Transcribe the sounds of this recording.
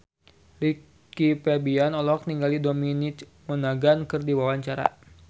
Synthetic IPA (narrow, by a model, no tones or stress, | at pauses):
li | kipɛbianɔlɔk̚niŋɡalidominit̪ | mənaɡankɨrdiwawaɲt͡ʃaɾa̰